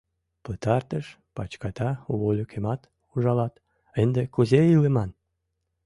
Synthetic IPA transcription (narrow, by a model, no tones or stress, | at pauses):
pət̪ɑrt̪əʃ | pɑt͡ɕkɑt̪ɑuβolʲykʰemɑt̪ | uʒɑlɑt̪ | end̪ekuzeilemɑn